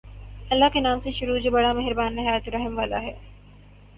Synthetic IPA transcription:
ɐlːaɦkenaːmseʃʊɾuːd͡ʒoːbɐɽamɛɦɪɾbaːnːɪɦaːjt̪oɾɐɦəmʋaːla̰ɦɛː

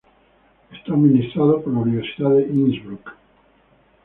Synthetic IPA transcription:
est̪aminist̪ɾaðopoɾlauniβ̞eɾsiðaðeʔinzβɾuk

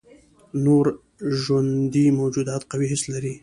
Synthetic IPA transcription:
noɾ | ʒwand̪imawd͡ʒud̪at̪qawiɦɪslaɾi

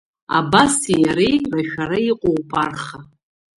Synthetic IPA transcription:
a̰basijaɾejraʃᶣaɾaiqʷʼowpʼarχa

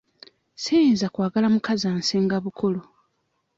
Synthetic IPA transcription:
sijiːnzakwaːɡalamukazaːnseŋɡaβukʰolo

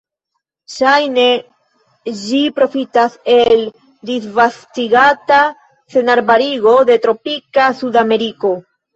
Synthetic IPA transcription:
ʃajne̞ | d͡ʒipɾo̞fitase̞l | disvastiɡata | se̞naɾbaɾiɡo̞de̞tɾo̞pikasudame̞ɾiko̞

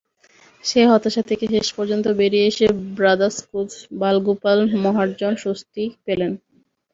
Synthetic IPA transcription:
ʃeɦɔt̪ːaʃat̪ʰekeʃeʃpɔɾd͡ʑont̪obeɾieeʃebɾad̪aɾskud͡ʑbalɡupalmɔɦaɾd͡ʑonʃost̪ipelen

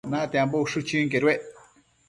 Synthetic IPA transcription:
nãt̪eãmbouʂɨt͡ʃĩŋkeɾweʔ

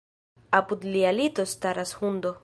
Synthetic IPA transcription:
aput̪lialit̪ost̪aɾashund̪o

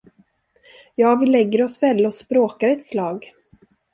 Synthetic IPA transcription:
jɑːvɪlɛɡːəɾɔsvɛlːəɔspɾoːkaɾɛt̪slɑːɡ

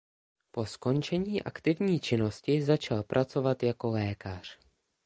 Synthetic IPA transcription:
po̞sko̞nt͡ʃɛɲiːʔa̰kt̪ɪvɲiːt͡ʃɪno̞scɪzat͡ʃalpɾʔat͡so̞vat̪jako̞lɛːkar̝̥

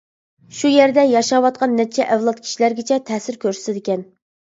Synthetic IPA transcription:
ʃujeɾd̪ɛjɑʃɑwɑt̪̚qʰɑnːɛt͡ʃʰɛʔɛvlˠɑt̪̚kʲʰi̥ʃilæɾɡʲɪt͡ʃʰɛt̪ʰɛːsɪɾkʲøɾsɪ̥sɪd̪ɪkʲɛn

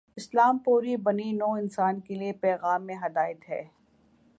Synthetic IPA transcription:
ɪslaːmpuːɾibɐninoːɪnsaːnkeliepɛːɣaːmːẽɦɐd̪aːɪt̪ɦɛ̰ː

